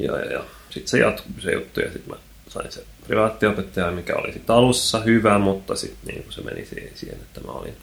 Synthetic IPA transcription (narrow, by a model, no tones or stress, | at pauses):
jɑ̰jɑjɑ | sit̪sejɑt̪kusejut̪ːujɑsit̪mæ | sɑinsepriʋɑːt̪ːiopet̪ːɑjɑmikæolisit̪ɑlusːɑhyʋæmut̪ːɑsit̪nḭːŋkusemenisiːhsiːhenet̪ːæmæo̰lin